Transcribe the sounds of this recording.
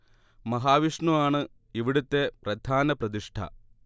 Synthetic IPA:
mɐɦaːʋiʂɳuaːɳɨ | iʋiɽut̪ːe̞prɐd̪ʱaːnɐprɐðiʂʈʰɐ̰

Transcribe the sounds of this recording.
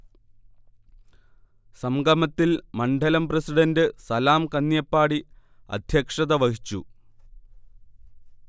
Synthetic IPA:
sɐmɡɐmɐt̪ːilmɐɳɖʱɐlɐmprɐsiɖɐndɨsɐlaːmkɐnːjɐpːaːɽi | ɐ̰d̪ʱjɐkʂɐðɐʋɐhit͡ɕːṵ

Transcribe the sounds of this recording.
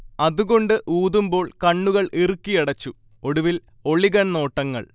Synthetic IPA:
ɐðuɣo̞ɳɖɨʔuːðumbo̞ːɭkɐɳːuɣɐɭʔirukːijɐɽɐt͡ɕːu | o̞ɽuʋil | o̞ɭiɣɐnno̞ːʈːɐŋːɐ̰ɭ

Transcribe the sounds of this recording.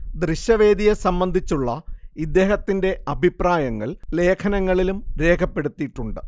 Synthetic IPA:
d̪ɾiɕjɐʋe̞ːd̪ijesɐmbɐnd̪ʱit͡ɕːuɭːɐ̰id̪ːe̞ːɦɐt̪ːinde̞ɐbʱipraːjɐŋːɐ̰ɭle̞ːkʰɐnɐŋːɐɭilumɾe̞ːkʰɐpːe̞ɽut̪ːiʈːuɳɖɨ

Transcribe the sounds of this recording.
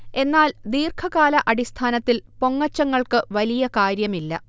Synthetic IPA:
e̞nːaːld̪iːrkʰɐɣaːlɐʔɐɽist̪ʰaːnɐt̪ːilpo̞ŋːɐt͡ɕːɐŋːɐɭkɨʋɐlijɐkaːɾjɐmilːɐ̰

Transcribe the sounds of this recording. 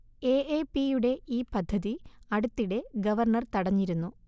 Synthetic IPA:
eːeːpijuɽe̞iːpɐd̪ʱːɐðiɐɽut̪ːiɽe̞ɡɐʋɐrɳɐrt̪ɐɽɐɲːiɾunːu

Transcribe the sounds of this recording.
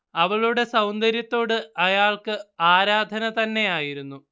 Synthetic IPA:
ɐʋɐɭuɽe̞sɐwnd̪ɐɾjɐt̪ːo̞ːɽɨɐjaːɭkɨaːɾaːd̪ʱɐnɐt̪ɐnːe̞jaːjiɾunːu

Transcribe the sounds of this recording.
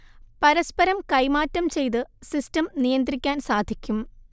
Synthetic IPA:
pɐɾɐspɐɾɐmkɐjmaːtːɐmt͡ɕe̞jt̪̬ɨsistɐmnijɐnd̪rikʲːaːnsaːd̪ʱikʲːum

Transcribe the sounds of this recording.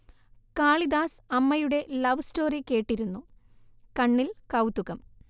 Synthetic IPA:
kaːɭid̪aːsɐmːɐjuɽe̞lɐʋstoːrikeːʈːiɾunːukɐɳːilkɐwt̪ːuɣɐm

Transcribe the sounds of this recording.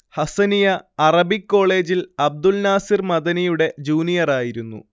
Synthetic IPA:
hɐsɐnijɐɐrɐbikːo̞ːɭe̞ːd͡ʑilɐb̚d̪ulnaːsirmɐðɐnijuɽe̞d͡ʑuːnijɐraːjiɾunːṵ

